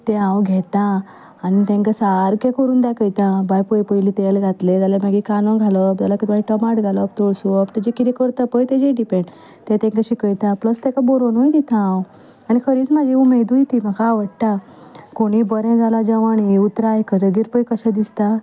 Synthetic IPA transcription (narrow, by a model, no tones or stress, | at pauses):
t̪ẽãʋɡʱet̪ã | añit̪ɛ̃ŋkasaɾkẽkʰəɾuːnd̪akəjt̪ãbajpəjpəjlit̪elɡʱat̪led͡zalemaɡikanãɡʱaləpd͡zalakit̪aiʈəmaʈɡʱaləpt̪oɭsupt̪ed͡ʑekiɾikəɾt̪apəjt̪ed͡ʑeɖipẽɳɖ | t̪et̪ɛ̃ŋkəɕikəjt̪apləst̪ɛ̃kaboɾonojt̪it̪ʰããw | añikʰəɾiːt͡smad͡ʑʱiumed̪ujt̪im̤akaːʋəɽʈa | koɽ̃ibəɾɛ̃d͡zalad͡ʑaʋaɽ̃iut̪ɾajkəɾɡiɾpəjkəɕãd̪ist̪a